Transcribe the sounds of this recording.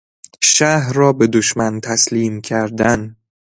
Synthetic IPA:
ʃæɦrɒːbe̞d̪oʃmænt̪ʰæsliːmkʰæɾd̪æn

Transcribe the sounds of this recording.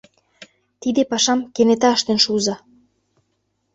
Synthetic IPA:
t̪id̪epɑʃɑmkenet̪ɑəʃt̪enʃuzɑ

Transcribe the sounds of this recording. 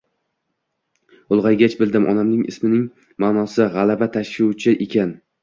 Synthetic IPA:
ʊlˠʁɑjɡʲat͡ʃbɪld̪ɪmʔɒ̰namnɪŋʔɪ̰smɪnɪŋ | maːnɒsɪʁalˠabat̪ʰaʃʃʊt͡ʃʰɪʔekʲan

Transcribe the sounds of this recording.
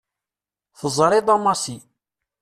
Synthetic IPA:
θəzˤɾˤiðˤɑmɑsi

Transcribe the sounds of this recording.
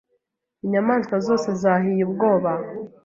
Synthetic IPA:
iɲamaːnzɡwazo̞ːse̞zaːɦijubɡo̞ːβa

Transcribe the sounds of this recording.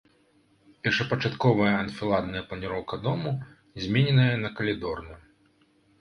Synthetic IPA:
pʲɛrʂɐpɐt͡ʂat̪kɔvɐjɐɐnfʲilˠad̪nɐjɐplˠɐnʲiɾɔwkɐd̪ɔmu | zʲmʲenʲɛnɐjɐnɐkɐlʲid̪ɔrnɐ

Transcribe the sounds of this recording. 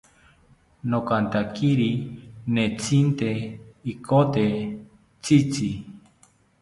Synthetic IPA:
nokant̪akiɾinẽt͡sint̪eikʰot̪e | t͡sit͡si

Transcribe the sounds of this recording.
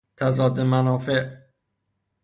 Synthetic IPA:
t̪ʰæzɒːd̪emænɒːfeʔ

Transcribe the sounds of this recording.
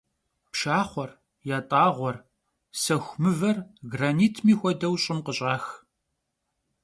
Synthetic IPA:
pʃaːχʷɔr | jaːtʼaːʁʷɔr | sɐxʷmɨvɐrɡraːniːtʰmiːxʷɔdɐwɕʼɪmqəɕʼaːx

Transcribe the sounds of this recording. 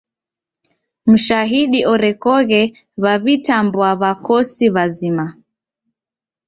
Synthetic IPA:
m̩ʃaɦiɗiʔɔɾɛkɔɣɛ | βaβitambwaβakɔsiβazima

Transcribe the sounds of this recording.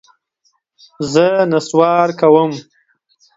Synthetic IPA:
zənaswɑːɾkawəm

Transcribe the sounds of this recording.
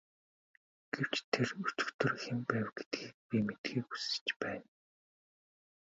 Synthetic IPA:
ɡ̥ew̥t͡ɕt̪ʰerɵ̥t͡ɕɪ̥̆kt̪ɵ̆rxempæːwɡ̥e̥t̪ɡiːk̚pʲimet̪ɡiːku̥sɘ̥̆t͡ɕpæːn

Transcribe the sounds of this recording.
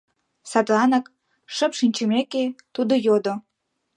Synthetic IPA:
sɑt̪lɑnək | ʃəpʃinʲt͡ɕəmeket̪ud̪ojod̪o

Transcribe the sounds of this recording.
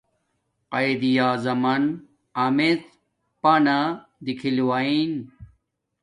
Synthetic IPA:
qɐjd̪ijaːzɐmɐn | aːmet͡s | paːnad̪ikʰilwain

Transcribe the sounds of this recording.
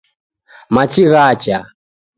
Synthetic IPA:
mat͡ʃiɣat͡ʃa

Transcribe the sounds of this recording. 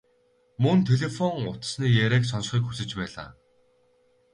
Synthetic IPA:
mɵnt̪ʰeɮefɔŋʊt̪sniːjæɾeːks̬ɔnsχiːkxu̥sɘ̆t͡ɕpæːɮa̰ː

